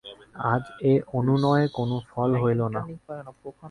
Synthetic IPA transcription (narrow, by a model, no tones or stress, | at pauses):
ad͡ʑeʔonunɔeekonofɔlɦojlona